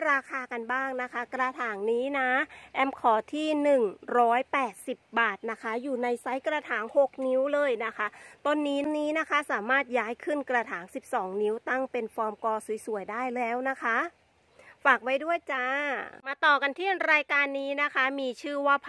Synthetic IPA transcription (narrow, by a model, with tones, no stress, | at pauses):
ɾaː˧kʰaː˧ka˧nbaː˥˩ŋna˦˥kʰa˦˥kɾaː˧t̪ʰaː˩˦ŋniː˦˥na˦˥ʔɛ˧mkʰɔː˩˦t̪ʰiː˥˩nɯ˨˩ŋɾɔː˦˥jpɛː˨˩t̪̚si˨˩p̚baː˨˩t̪̚na˦˥kʰa˦˥juː˨˩na˧jsa˦˥jkɾaː˧t̪ʰaː˩˦ŋho˨˩k̚ni˦˥wlɤː˧jna˦˥kʰa˦˥t̪o˧nːiː˦˥niː˦˥na˦˥kʰa˦˥saː˩˦maː˥˩t̪̚jaː˦˥jkʰɯ˥˩nkɾaː˧t̪ʰaː˩˦ŋsi˨˩p̚sɔː˩˦ŋni˦˥wt̪a˥˩ŋpe˧nfɔː˧mkɔː˧su˨˩˦jsu˨˩˦əjdaː˥˩jlɛː˦˥wna˦˥kʰa˦˥ | faː˨˩k̚wa˦˥jdu˥˩əjt͡ɕaː˨˧˦maː˧t̪ɔː˨˩ka˧nt̪ʰi˥˩nɾaː˧jkaː˧nːiː˦˥na˦˥kʰa˦˥miː˧t͡ɕʰɯː˥˩waː˥˩pʰ